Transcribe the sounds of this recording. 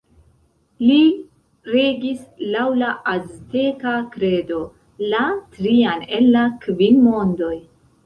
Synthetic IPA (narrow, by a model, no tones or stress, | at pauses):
li | ɾeɡislawlaʔaztekakɾe̞do̞ | latɾiane̞nːakvinmo̞ndo̞j